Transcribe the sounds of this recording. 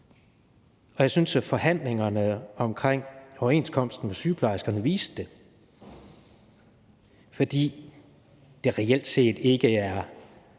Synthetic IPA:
ɒ̽jɑ̈ɪsynsæfɒ̽hæn̰le̝ŋɐnəɒ̽mkʰʁeŋ̰ɒʊɐe̝ːnskʰɒ̽m̰sd̥n̩mesyːpʰlɑ̈ɪsɡ̥ɐnəʋḭːsd̥d̥e̝ | fɒd̥ḭː | d̥e̝ʁɛel̰d̥se̝̰ːd̥e̝ɡ̥əæɐ

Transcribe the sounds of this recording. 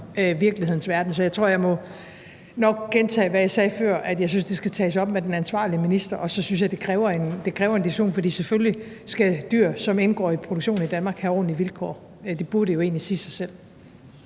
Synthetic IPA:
ʋiɐɡ̥liheð̰ˠn̩sʋæɐd̥n̩sɒ̽jat͡sʰʁo̝ɐ̰jɑ̈ɪmɒ̽ | nɒ̽ɡ̥̚ɡ̥ent͡sʰɛ̰ːʋæjäsɛːfɶɐ̰ʔæd̥jɑ̈ɪsynsd̥e̝sɡ̥æt͡sʰɛ̰ːsɒ̽b̥̚med̥enænsʋɑ̰̈ːliəminisd̥ɐʔɒ̽sɒ̽synsjɑ̈ɪd̥e̝kʰʁɛːʊɐe̝nd̥e̝kʰʁɛːʊɐend̥iuɕo̝̰ːnfɒ̽d̥ḭːsefølji | sɡ̥æd̥y̰ɐ̰sɒ̽menɡ̥ɒ̰ːipʰʁo̝ɾoɡ̥ɕo̝̰ːn̩id̥ænmɑ̈ːɡ̥hæɒ̰ːn̩liʋilkʰɒ̰ː | d̥e̝b̥uɐɾ̥ejo̝e̝ːnlisiːsɑ̈ɪsel̰

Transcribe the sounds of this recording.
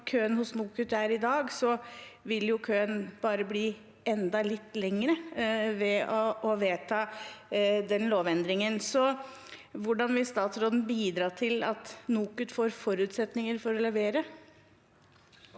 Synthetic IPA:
kʰøːənhʊsnuːkʉt̪ːæɾɪd̪ɑːɡsɔʋɪljʊkʰøːənb̥ɑːɾəbliː | ɛnd̪ɑlɪt̪ːlɛŋːəɾəʋɛɔɔʋeːt̪ʰɑː | d̪ɛnloːʋɛnd̪ɾɪŋənsɔ | ʋʊɖɑnʋɪlst̪ɑːt̪sɾɔd̪n̩biːd̪ɾɑːt̪ʰɪlɑt̪nuːkʉt̪foːɾfɔɾʉːt̪sɛt̪nɪŋəɾfɔɾɔlɛʋeːɾə

